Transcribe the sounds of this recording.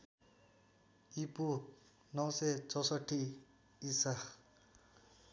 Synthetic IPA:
ipu | nʌwset͡sʰʌsʌʈʰːiː | sa

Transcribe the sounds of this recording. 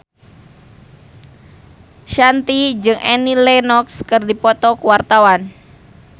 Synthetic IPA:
ʃant̪id͡ʒɨŋʔɛnilɛnɔkskərdipɔt̪ɔkuwart̪awan

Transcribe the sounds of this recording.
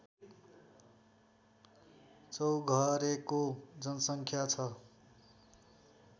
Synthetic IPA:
t͡sʌwɡʱʌɾekod͡zʌnʌsʌŋkʰjat͡sʰʌ

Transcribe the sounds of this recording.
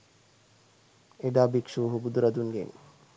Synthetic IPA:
eɖaːbikʃuːɦubud̪uɾɐd̪unɡḛn

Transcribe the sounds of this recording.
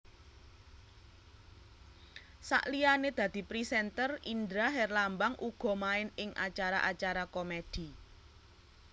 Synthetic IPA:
sa̰ʔlijaned̪̥ä̤d̪̥i̤pɾisɛnt̪ərind̪ɾaɦɛrlambaŋʔuɡ̥ɔ̤maɪnɪŋʔa̰t͡ʃaɾa̰ʔat͡ʃaɾakomed̪̥i̤

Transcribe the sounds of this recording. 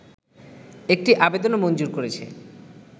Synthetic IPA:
ek̚ʈiʔabed̪onomond͡ʑuɾkoɾet͡ɕʰḛ

